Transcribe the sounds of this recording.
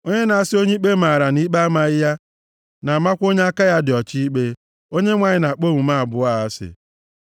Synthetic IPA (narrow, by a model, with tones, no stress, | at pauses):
o˦ɲe˦na˨a˦sɪ˦o˦ɲi˦k͡pe˦ma˨ɾa˨ni˦k͡pa˦ma˨ɪ˦ja˦ | na˨ma˦kʷo˦ɲe˦a˦ka˦ja˦dɪ˨ɔ˨t͡ʃi˦i˦k͡pe˦ | o˦ɲe˦ŋʷa˨ɲɪ˦na˨k͡po˦˨mu˨ma˦˨a˨bʊ˦a˦˨a˦sɪ̰˨